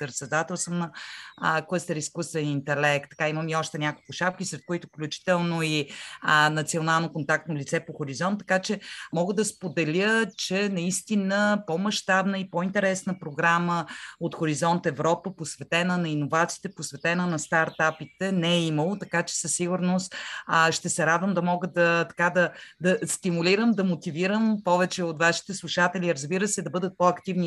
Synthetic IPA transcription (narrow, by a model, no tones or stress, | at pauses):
pɾɛt̪sɛd̪at̪ɛlˠsəmnə | kəst̪ɛɾiskust̪vɛnint̪ɛlɛk̚t̪ːɐ̥kaiməmiɔʃt̪ɛnʲakolˠkʊʃap̚kisɾɛt̪̚koit̪ʊfklʲut͡ʃi̥t̪ɛlˠnoi | nɐt̪sionalˠnokont̪akt̪nolʲit̪sɛpoxoɾizɔnt̪ːɐ̥kat͡ʃɛmɔɡəd̪ɐspod̪ɛlʲət͡ʃɛnɐist̪inəpomɐʃt̪abnəipɔint̪ɛɾɛsnəpɾoɡɾaməot̪xoɾizɔnt̪ɛvɾɔpəposvɛt̪ɛnənɐinovat̪si̥ːt̪ɛposvɛt̪ɛnənɐst̪aɾt̪apit̪ɛnɛɛiməlˠot̪ɐkat͡ʃɛ̥səsːiɡuɾnost̪ʃt̪ɛsɛɾad̪vəmd̪ɐmɔɡəd̪ət̪ɐ̥kad̪ɐd̪ɐst̪imulʲiɾəmd̪ɐmot̪iviɾəmpɔvɛt͡ʃɛot̪vaʃi̥t̪ɛslˠuʃat̪ɛliɾəzbiɾəsɛd̪ɐbɤd̪ət̪̚pɔɐkt̪ivni